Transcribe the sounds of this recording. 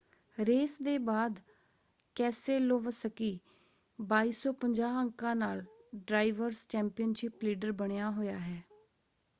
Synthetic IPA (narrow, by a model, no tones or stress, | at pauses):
ɾeːsd̪eːbaːd̪ | kɛːseːloːʋsəkiː | baːiːsɔːpəɲd͡ʒaːəŋkãːnaːlɖɾaːɪʋəɾst͡ʃɛːmpɪjənʃɪpliːɖəɾbəɳ̃ejaːɦoːjaːɦɛː